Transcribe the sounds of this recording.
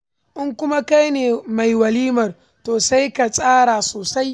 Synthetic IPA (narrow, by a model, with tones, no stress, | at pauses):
ʔɪ˦ŋkʷʊ˦ma˦ka˦jneː˨ma˨jwɐ˨liː˦mɐ˨r | toː˨sa˦jka˨sʼaː˦ɽaː˨soː˨sa˦j